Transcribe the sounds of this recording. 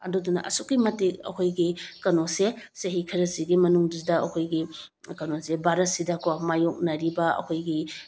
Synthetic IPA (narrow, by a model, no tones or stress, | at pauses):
ɐ̰ɾdodunɐ̰ʔɐsukːimɐtek̚ɐ̰kʰojɡikɐnoseseɦikʰɐɾɐziɡimɐnuŋdidɐɐkʰojɡi | kɐnosebaɾɐt̚sidɐkoamajok̚nɐɾibɐɐ̰kʰojɡi